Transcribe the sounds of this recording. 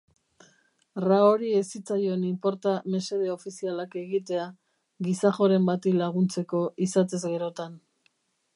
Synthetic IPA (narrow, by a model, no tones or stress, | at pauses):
raoɾiesit͡sajo̞enimpo̞ɾt̪ame̞se̞ð̞e̞o̞fisialake̞ɣit̪e̞a | ɣisaχo̞ɾe̞mbat̪ilaɣ̞unt͡se̞ko̞ʔisat̪e̞zɣe̞ɾo̞t̪an